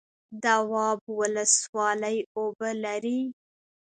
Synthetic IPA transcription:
d̪awɑbwʊləswɑləjobəlaɾi

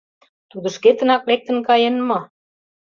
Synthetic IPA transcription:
t̪ud̪ə̆ʃket̪ə̆nɑklek̚t̪ə̆nkɑjenmɤ

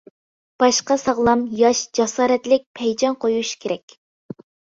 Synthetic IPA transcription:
b̥ɑʃqɑsɑʁlˠɑmjɑʃd͡ʒɑsɑːɾɛt̪lɪk̚ʲpʰɛjd͡ʒɑnqʰojuʃkʲʰeɾɛkʲ

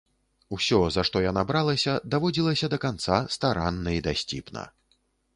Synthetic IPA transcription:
usʲɔzaʂt̪ɔjanabɾalˠɐsʲɐd̪avɔd͡zʲilˠɐsʲɐd̪ɐkant̪sast̪aɾanːɐid̪asʲt͡sʲḭpnɐ̰

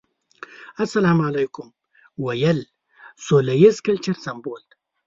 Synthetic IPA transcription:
ɐsɐlaːmʕalajkʊm | wɐjɐl | solɐjezkɐlt͡ʃɐɾsɐmboːlt̪

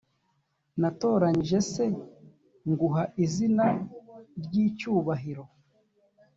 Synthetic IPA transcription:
nato̞ːɾaɲiʒe̞se̞ | ŋɡuɦaʔizina | ɾɟiːcuːβaɦiɾo̞

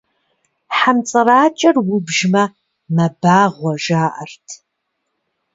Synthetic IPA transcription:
ħamt͡sʼɨraːt͡ʃʼɐrwʊbʒmɐ | mɐbaːʁʷɔʒaːʔɐrtʰ

